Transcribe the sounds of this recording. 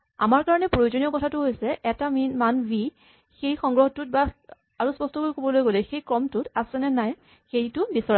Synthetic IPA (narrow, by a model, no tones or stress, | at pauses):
a̰maɹkaɹɔnɛpɹojozonijɔkɔtʰatʊɦojsɛʔɛtamimanbi | xejxɔŋɡɹɔxɔtʊt̚ba | aɹuspɔstɔkojkobɔlojɡolɛxejkɹɔmtʊtasɛnɛnaj | xejtʊbisɔɹa